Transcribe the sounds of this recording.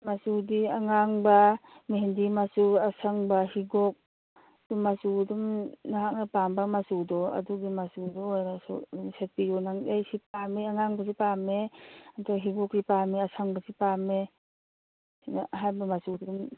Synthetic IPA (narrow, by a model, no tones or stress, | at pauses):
masudiaŋaŋbamiɦendimasuasʰaŋbahiɡɔk̚ | dumasudumnaɦak̚napambamasudɔa̰duɡimasudɔːjnasṵdumset̚pijɔnaŋejsipamiaŋaŋbas̬ipameatʰaɦiɡɔk̚dipamiasʰaŋbasipame | sinaɦajbamasudidum